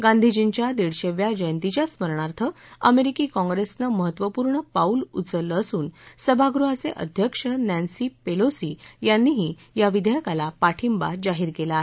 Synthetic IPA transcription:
ɡãnd̪ʱid͡ʑint͡ɕjad̪eɽɕeʋjad͡ʑəjənt̪it͡ɕjasməɾɳaɾt̪ʰə | əmeɾikiːkɔ̃ŋɡɾesnəməɦət̪ʋəpuɾɳəpaulut͡səlːəːsuːnsəbʱaɡɾuɦat͡seʔə̰d̪ʱjəkʂənænsipelosijanːiɦiː | jaʋid̪əjəkalapaʈʰimba̰d͡zaɦiːɾkelaaɦe

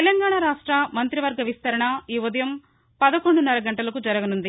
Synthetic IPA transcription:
t̪elɐŋɡaːɳaɾaːʂʈɾɐmɐnt̪ɾiʋɐɾɡɐʋist̪ɐɾɐɳɐiːʋud̪ɐjɐm | pɐd̪ɐko̞ɳɖunɐɾɐɡɐɳʈɐlɐkud͡ʒɐɾɐɡɐnund̪i

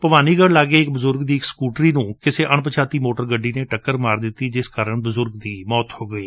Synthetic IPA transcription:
pəʋaːniːɡəɽlaːɡeːɪkbəzʊɾɡd̪iːɪkskuːʈɾiːnũːkɪseːʔəɳp̬ət͡ʃʰaːt̪iːmoːʈəɾɡəɖiːneːʈəkːəɾmaːɾd̪ɪt̪ːiːd͡ʒɪskaːɾəɳbʊzʊɾɡd̪iːmɔːt̪hoːɡəiː

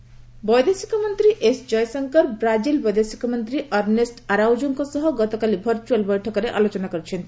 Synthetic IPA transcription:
bɔjd̪esikʰamɔnt̪ɾiʔesd͡ʒɔjsɔŋkɔɾbɾad͡ʒilbɔjd̪esikʰamɔnt̪ɾiʔɔɾnesʈaɾawd͡ʒoŋkɔsɔɦɔɡɔt̪ɔkalibʱɐɾt͡ʃualbɔjʈʰɔkɔɾeʔa̰lot͡ʃɔnakɔɾit͡ʃʰent̪i

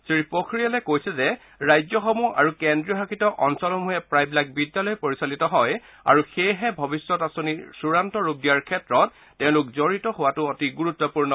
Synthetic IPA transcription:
sɹipɔkʰɹijalɛkojsɛzɛ | ɹajzjɔxɔmua̰ɹukɛndɹijɔɦakʰitɔʔɔnsɔlxɔmuɦɛpɹajbilak̚bidjalɔjpoɹisalitɔɦɔj | a̰ɹuxejɦɛbʱɔbisːɔtasonisuɹantɔɹubijaɹkʰɛtɹɔtː | ɛʊ̃lʊkzoɹitɔɦʊwatʊotiɡuɹutːɔpuɹnɔ

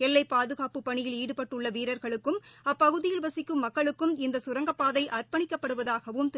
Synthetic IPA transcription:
ɛlːɐɪpaːðɯɣaːpɯpːɐɳɪjɪliːɽɯpɐʈːɯɭːɐʋiːɾɐɾɣɐɭɯkːɯmɐpːɐɣɯðɪjɪlʋɐsɪkːɯmːɐkːɐɭɯkːɯmɪnd̪ɐsʊɾɐŋɡɐpːaːðɐɪʔɐɾpɐɳɪkːɐpːɐɽɯʋɐðaːɣɐʋɯmt̪

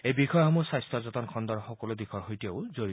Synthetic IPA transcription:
ejbixʰɔjɔhɔmuɹsajstɔzɔtɔnkʰɔnd̪ɔɹxɔkɔlud̪ikʰɔɹxojtieʊzoɹi

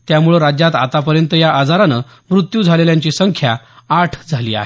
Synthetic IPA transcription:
t̪jamuɭeɾad͡ʑjat̪a̰t̪apəɾjənt̪əjaʔad͡zaɾanə | mɾut̪juːd͡zʱaleljaɲt͡ɕisəŋkʰjaː | ʈʰd͡zʱalḭːa̰ɦe

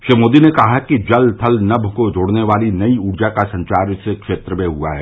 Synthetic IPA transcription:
ʃemoːd̪inekɐɦakid͡ʒɐlt̪ʰɐlnɐbʱkod͡ʒoːɽneʋaːlinɐiuːɽd͡ʒakasɐ̃ɲt͡ʃaːɾjəsekʃeːt̪ɾəmẽɦua̰ɦɛː

